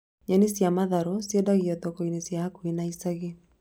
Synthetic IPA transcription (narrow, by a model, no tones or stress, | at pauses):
ɲanisjamaðaɾɔsjedaɣiɔt̪ɔkoinesjaakuinaisaɣe